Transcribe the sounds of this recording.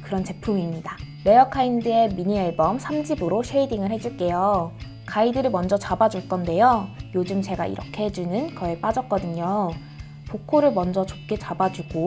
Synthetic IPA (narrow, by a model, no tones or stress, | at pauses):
kɯɾʌnt͡ɕe̞pʰumimɲida | ɾe̞jʌkʰaindɯe̞miɲieɭbʌmsʰamd͡ʑibɯɾoɕʰeidiŋɯɭhe̞d͡ʑuɭk͈e̞jo | kaidɯɾɯɭmʌnd͡ʑʌt͡ɕabad͡ʑuɭk͈ʌnde̞jojod͡ʑɯmt͡ɕe̞ɡa̰ḭɾʌkʰe̞ɦed͡ʑunɯnkʌep͈ad͡ʑʌk̚k͈ʌdɯɲo | pokʰoɾɯɭmʌnd͡ʑʌt͡ɕop̚k͈e̞t͡ɕabad͡ʑuɡ̥o